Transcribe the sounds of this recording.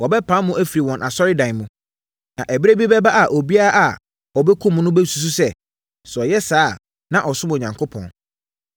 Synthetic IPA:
wɔ˨bɛ˦pʰã˨˦mʊ̃˦ʔæ˦fi˨ɾi˨wɔ̃˨nʔa̰˨sɔ˦ɾɪ˦dã˨mʊ̃˨ | nã˨ʔæ˨bi˦ɾe˦bi˦bɛ˦ba˦ʔa˨ʔo˨bi˦a˦ɾa˦ʔa˨ | ɔ˨bɛ˦kʰʊ̃˦m̃˦nʊ̃˦bɛ˦su˨s̬u˦sɛ˨ | sʊ˨ɔ˨jɛ˦saː˦˨ | nã˨ʔɔ˨sʊ˦m˨ɲã˨ŋkʰo˦pʰɔ̰̃˨n

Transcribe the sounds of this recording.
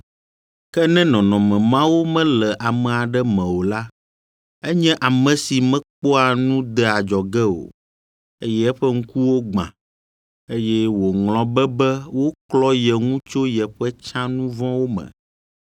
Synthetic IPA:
kɛ˦nɛ̃˦nɔ̃˨nɔ̃˨mɛ̃˨mã˦wo˦mɛ̃˦lɛ˨ʔa˨mɛ̃˨a˨ɖɛ˦mɛ̃˨wo˨la˦ | ɛ˦ɲɛ̃˦ʔa˨mɛ̃˨si˨mɛ̃˦k͡po˦a˨nũ˦d̪ɛ˦a˨d͡ʒɔ˨ɡɛ˦o̰˨ | e˦jɛ˦ɛ˦ɸɛ˦ŋ̩˦ku˦wo˦ɡ͡bã̰˨ | e˦jɛ˦wo˨ŋl̃ɔ̃˨bɛ˦bɛ˦wo˦klɔ˦jɛ˨ŋũ˦t͡ʃo˦jɛ˨ɸɛ˦t͡ʃã˦nũ˦vɔ̃˦wo˦mɛ̰̃˨

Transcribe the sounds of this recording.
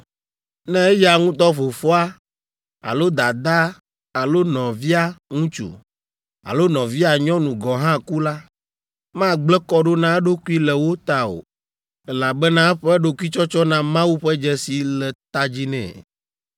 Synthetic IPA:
nɛ̃˦e˦ja˨ŋũ˦t̪ɔ˦fo˨fɔ˦a˦ | a̰˨lo˦d̪a˨d̪a˦ | a˨lo˦nɔ̃˨vi˦a˦ŋũ˦t͡ʃṵ˨ | a̰˨lo˦nɔ̃˨vi˦a˨ɲɔ̃˦nũ˨ɡɔ˨ɦã˦ku˦la˦ | mã˦ɡ͡blɛ˦kɔ˦ɖo˦nã˦ɖo˦ku˦i˦lɛ˨wo˦t̪a˦o̰˨ | ɛ˦la˨bɛ˦nã˦ɛ˦ɸɛ˦ɖo˦ki˦t͡ʃɔ˦t͡ʃɔ˦nã˦mã˦wu˦ɸɛ˦d͡ʒɛ˦si˨lɛ˨t̪a˦d͡ʑi˦nɛ̰̃˨

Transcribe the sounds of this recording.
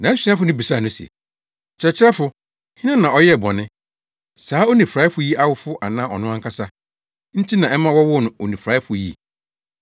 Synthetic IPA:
nã˨˦sĩ˨˦a˦fʊ˨˦nʊ̃˦bi˨sa˦˨nʊ̃˦sɛ̰˨ | t͡ɕʰɾɛ˨t͡ɕʰɪ˦ɾɛ˦fʊ˨ | hɪ̃˦nã˦nã˨ɔ˦jɛ˦˨bɔ˨nɪ̃˦ | saː˨˦o˦nĩ˨fɾa˨˦ɪ˦fʊ˦ji˦ʔa˦wʊ˦fʊ˦ʔa˨nã˦ɔ̰˨nʊ̃˦ã˦kʰa˦sa˦ | n̩˦tʰi˦nã˨ɛ˦mã˦wɔ˦wʊ˦nʊ̃˨o˨nĩ˨fɾaː˦ɪ˦fʊ˨jḭ˦˨

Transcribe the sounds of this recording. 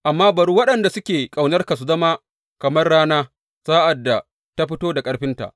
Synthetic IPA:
ʔa˨mːaː˦bɐ˨ɽu˦wɐ˦ɗɐ˨nda˨sʊ˦kʲeː˨kʼa˨wnɐ˦rka˨s̬u˨zɐ˦maː˦ | kɐ˨mɐ˦rɽaː˦naː˦ | saː˦ʔa˨dːa˨ | ta˦ɸɪ˦toː˦da˨kʼɐ˦ɽɸɪ˦nta̰˨ʔ

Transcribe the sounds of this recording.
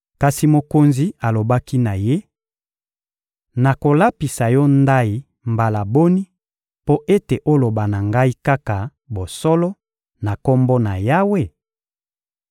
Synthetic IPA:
ka˨si˨mo˨ko˨nzi˨a˨lo˨ba˦ki˦na˨je˦ | na˨ko˨la˦pi˨sa˨jɔ˦nda˦i˨ | mba˨la˨bo˦ni˦ | po˦ʔe˦te˨ʔo˦lo˨ba˨na˨ŋɡa˦i˦ka˦ka˨ | bo˨sɔ˦lɔ˦ | na˨ko˦mbo˦na˨ja˦we˦˨

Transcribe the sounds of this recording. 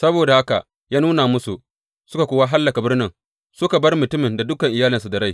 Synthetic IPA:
sɐ˦boː˨da˨ha˦ka̰˨ʔ | jaː˦nuː˦naː˨mʊ˦su˨ | sʊ˦ka˨kʷoː˦wa˦ɦa˦lːɐ˨ka˨bɪ˦rnɪ˨ŋ | sʊ˦ka˨bɐ˦rmʊ˨tʊ˦mɪ˨nda˨dʊ˦kɐ˨ŋʔɪ˨jaː˦lɪ˨nsu˨da˨ɽa˦j

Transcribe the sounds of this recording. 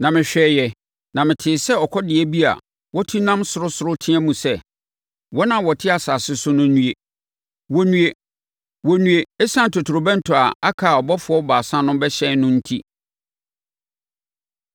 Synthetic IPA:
nã˨mɪ̃˨ɕᶣɛː˨jɛ˨ | nã˨mɪ̃˨tʰɪː˨sɛ˦ɔ˨kʰɔ˦dɪ˨ɛ˦bi˦a̰˨ | wɔ˦tʰi˦nã˦msʊ˨ɾʊ˦sʊ˨ɾʊ˦tʰɪ̃˦ɛ̃˦mũ˨sɛ˦˨ | wɔ˦nã˨wɔ˨tʰɪ˦a˨saː˨sɪ˦sʊ˦nʊ̃˦nũ˦e˨ | wɔ˨nũ˨e˨ | wɔ˨nũ˨e˨ɛ˦sã˦n˨tʰo˨tʰʊ˨ɾʊ˨bɛ̃˦n̩˦tʰʊ˨a˨a˦kʰa˨ɔ˨bɔ˦fʊ˨˦ɔ˦baː˨sã˦nʊ̃˦bɛ˦ɕɛ̃˦nʊ̃˦n̩˦tʰi˦

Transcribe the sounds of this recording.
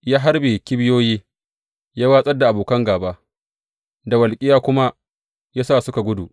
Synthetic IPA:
jaː˦ɦa˦rbe˨kʲɪ˦bɪ˦joː˦jiː˦ | jaː˦waː˦sʼɐ˦rda˨ʔa˨boː˨kɐ˦ŋɡaː˨ba˦ʔ | da˨wɐ˨lkʲʼɪ˦jaː˦kʷʊ˦ma˦ | jaː˦saː˦˨sʊ˦ka˨ɡʷʊ˦du˨ʔ

